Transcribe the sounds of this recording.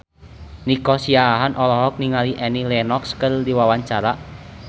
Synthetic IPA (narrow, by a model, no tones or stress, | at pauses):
nikɔsiaɦanʔɔlɔɦɔk̚niŋaliʔɛnilɛnɔkskɨrdiwawaɲt͡ʃaɾa